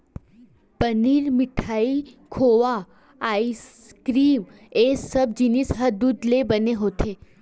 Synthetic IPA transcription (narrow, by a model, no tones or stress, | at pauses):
pəniɾmɪʈʰaikʰoʋa | ais | kɾim | esəb̚d͡ʒinisɦəd̪ud̪lebəneɦot̪ʰe